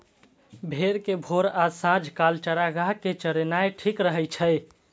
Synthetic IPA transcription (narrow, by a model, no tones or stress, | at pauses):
bʱeɾkebʱoɾasãd͡ʒʱkalt͡ʃəɾaɡaɦket͡ʃəɾenaeʈʰikɾəɦɛjt͡ʃʰəj